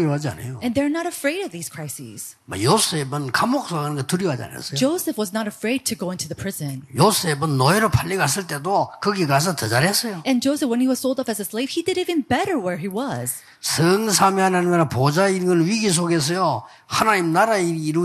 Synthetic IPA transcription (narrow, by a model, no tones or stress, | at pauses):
ɾoɦad͡ʑia̰nḛjoɨ̃nðə˞nəɾəfɹeɪɾʌvðiz̥kʰɹ̥aɪsḭz̥ma̰josebɯnkamok̚s͈ʰoɡanɯnɡatuɾjiɦad͡ʑia̰nḛsʌjd͡ʒoʊsɨfwʌznəɾəfɹeɪd̚tʰɨɡoʊɪ̃ntʰuðɨpʰɹ̥ɪzɨ̃njosebɯnːʌiɾopʰaʎːiɡas̬ɯɭt͈e̞dokɯɡikas̬ʰʌtʌd͡ʑaɾɦesʌjoɨ̃nd͡ʒoʊsɨfwə̃niwʌz̥soʊlˠdʌpɨzɨsleɪv̥idɨɾivɨ̃nbɛɾə˞wə˞iwʌz̥ | sʰɯŋsʰamihanaɲiminapod͡ʑainɡɯnɥiɡis̬ʰoɡes̬ʌjo | hanaɲimnaɾaiiːɾu